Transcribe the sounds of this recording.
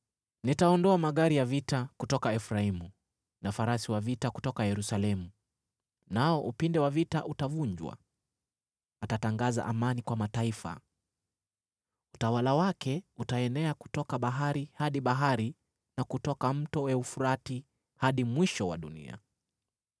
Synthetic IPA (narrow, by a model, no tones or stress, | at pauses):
nitaɔndɔamaɠaɾijavitakutɔkaɛfɾaimu | nafaɾasiwavitaku̥tɔkajɛɾusalɛmu | naɔʔupindɛwavitaʔutavuɲd͡ʒwa̰ | atataŋɡaza̰ʔamanikwamataifa̰ | utawalawakɛutaɛnɛaku̥tɔkaɓaɦaɾihaɗiɓaɦaɾi | nakutɔkam̩tɔɛufuɾati | haɗimwiʃɔwa̰ɗunḭa̰